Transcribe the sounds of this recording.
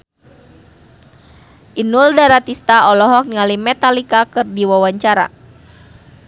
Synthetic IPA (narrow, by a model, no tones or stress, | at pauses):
ʔinuldaɾat̪ist̪aɔlɔɦɔk̚niŋalimɛt̪alikakɨrdiwawaɲt͡ʃaɾa̰